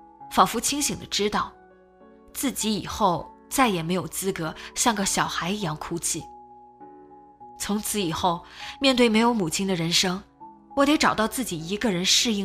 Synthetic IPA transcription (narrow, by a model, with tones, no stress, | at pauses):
fɑ˨˩ŋfu˧˥t͡ɕʰi˥ŋɕi˨˩ŋd̪ə˦ʈ͡ʂɻ̩˥t̪ɑ˥˩ʊ | t͡sɹ̩˥˩t͡ɕi˧˥i˨˩xo˥˧ʊ | t͡sa˥˩ɪjɛ˨˩me˧˥ɪjo˨˩ʊt͡sɹ̩˥kɤ˧˥ɕjɑ˥˩ŋɡə˧˩ɕjɑ˨˩ʊxa˧˥ɪ˧˥jɑ˥ŋkʰu˥t͡ɕʰi˥˩ | t͡sʰʊ˧˥ŋt͡sʰɹ̩˧˥i˨˩xo˥˩ʊmjɛ˥˧nt̪we˥˩ɪme˧˥ɪjo˧˥ʊmu˨˩t͡ɕʰi˥ŋd̪ə˨ɻə˧˥nʂɤ˥ŋ | wɔ˧˥t̪e˧˥ɪʈ͡ʂɑ˨˩ʊt̪ɑ˥˧ʊt͡sɹ̩˥˩t͡ɕi˨˩i˧˥ɡə˧ɻə˧˥nʂɻ̩˥˧i˥˩